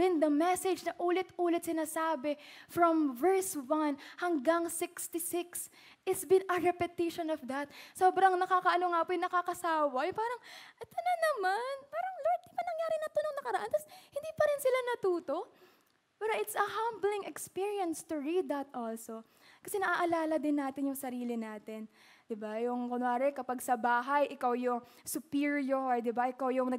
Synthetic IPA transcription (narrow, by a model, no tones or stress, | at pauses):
ɪ̃nd̪ɐmɛsɛd͡ʒnɐʔuːlɛt̪uːlɛt̪sɪnaːsaːbɛfɹɔmvɛɹswɐnhɐŋɡaŋsɪkst̪ɪsɪks | ʔɪt̪sbɪ̃nɐɹɛpɛt̪ɪʃonɔfd̪ɐt̪̚soːbɾɐŋnɐkaːkɐʔɐnoŋapojnɐkakɐsaːwɐjʊpaːɾɐŋʔɛt̪onɐnɐmanpaːɾɐŋloɹd̪̚d̪ɪpɐnɐŋjaːɾɪnɐt̪onoŋnɐkɐɾɐʔant̪ɐshɪnd̪iːpɐɾɪnsɪlanɐt̪uːt̪o̞ | paːɾɐʔɪt̪sɐhamblɪŋɛkspiɹiɐnst̪ʊɹid̪ɐt̪ʔolso | kɐsɛnɐʔaʔɐlaːlɐd̪ɪnːaːt̪ɪnjʊŋsɐɾiːlɪnaːt̪ɪn | d̪ɪbajʊŋkʊnaːɾɛkɐpaɡsɐbaːɦɐjʔɪkawjʊŋ | sʊpiɹjoɹd̪ɪbaʔɪkawjʊŋnɐ